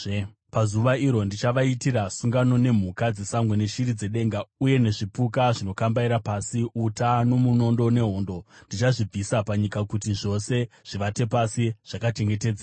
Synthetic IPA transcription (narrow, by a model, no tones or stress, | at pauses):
pazuʋaiɾo̞ndit͡ʃaʋaitirasuŋɡano̞ne̞m̤ukad͡zesamɡwene̞ʃirid͡ze̞ɗe̞ŋɡauje̞ne̞ʐipukaʐino̞kambaiɾapasiutanomuno̞ndo̞ne̞ɦo̞ːndo̞ndit͡ʃaʐib͡visapaɲikakutiʐo̞se̞ | ʐ̥iʋate̞pasiʐ̥akat͡ʃe̞ŋɡe̞te̞ːd͡zera